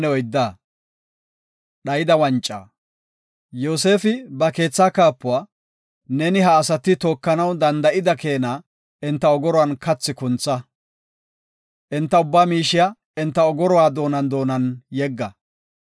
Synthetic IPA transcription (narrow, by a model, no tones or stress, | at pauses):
nɛɔjd̪ːaː | ɗɐjɪd̪ɐwɐnt͡ʃʼːa̰ː | joːse̞ːfɪbɐke̞ːt͡sːaːkaːpːʊwaː | nɛnɪɦɐːsɐt̪ːɪt̪o̞ːkːɐnɐwd̪ɐnd̪ɐʔɪd̪ɐke̞ːnaː | ɪnt̪ːɐɔɡɔɾɔwɐnkɐt͡sːɪkʊnt͡sːɐ | ʔɛnt̪ːɐʊbːaːmiːʃɪja | ɪnt̪ːɐɔɡɔɾɔwaːd̪o̞ːnɐnd̪o̞ːnɐnjɛɡːɐ